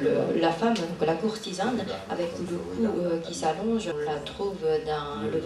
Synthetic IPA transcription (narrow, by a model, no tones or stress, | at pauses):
lə̰lafamd̪ɔ̃klakuʁt̪izanavɛk̪ulokʰuøkʲisalɔ̃ʒlat̪χuːvød̪ɑ̃lə